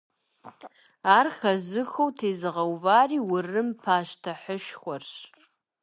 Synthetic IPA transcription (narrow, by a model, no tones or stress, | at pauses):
aːrxɐzɨxowtʰeːzɨʁɐwvaːriːwʊrɨmpʰaːʃtʰɐħəʃxʷɔrɕ